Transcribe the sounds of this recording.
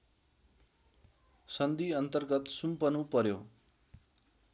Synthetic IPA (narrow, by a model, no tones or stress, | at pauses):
sʌnd̪iʌnt̪ʌrɡʌt̪sumpʌnupʌɾjo